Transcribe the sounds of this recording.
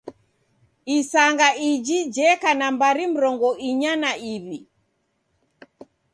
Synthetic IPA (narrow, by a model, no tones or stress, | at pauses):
isaŋɡaid͡ʒid͡ʒɛkanambaɾim̩ɾɔŋɡɔʔiɲanaʔiβi